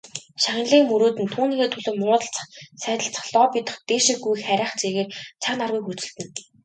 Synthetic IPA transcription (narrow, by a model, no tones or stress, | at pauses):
ʃaɣʲɪ̆nɮiːŋmɵɾoːt̪ɘ̆nt̪ʰuːniːxeːt̪ʰɵɮŏːmʊːt̪ə̆ɬt͡ssæːt̪ə̆ɬt͡sə̥̆χɮɔːpit̪ə̆χt̪eːʃĭɡujxæɾʲaːχt͡seɣeːrt͡sʰaknarɣujkɵt͡sɵ̆ɮt̪ɘ̆n